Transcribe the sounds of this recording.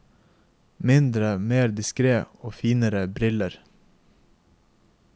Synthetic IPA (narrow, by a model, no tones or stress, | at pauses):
mɪnd̪ɾəmeːɾd̪ɪskɾeːoːfiːnəɾəbɾɪləɾ